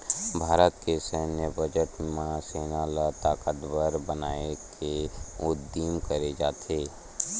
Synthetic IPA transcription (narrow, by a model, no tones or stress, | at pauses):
bʱaːɾət̪kesəɦnəbʱəd͡ʒəʈmãseːnalat̪aːkət̪bəɾbənaːekeʊd̪iːmkəɾed͡ʒaːt̪ʰeː